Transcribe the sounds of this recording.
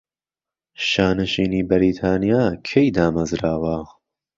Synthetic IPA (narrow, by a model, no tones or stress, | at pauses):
ʃaːnɐʃiːniːbɐɾiːt̪ʰaːnijaːkʰejd̪aːmɐzɾaːwɐ